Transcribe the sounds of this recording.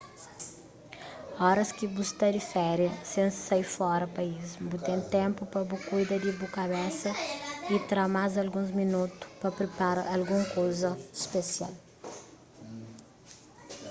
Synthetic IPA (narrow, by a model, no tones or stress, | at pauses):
ɔɾɐskibust̪ad̪ɪfɛɾjɐsẽnsajfɔɾɐpɐisbut̪ẽnt̪ɛ̃mpʊpɾɐbukujd̪ɐd̪ibukaβɛsɐit̪ɾamazɐlɡũzminut̪u̥pɐpɾepaɾɐʔːlɡũŋkowzɐispesia̰l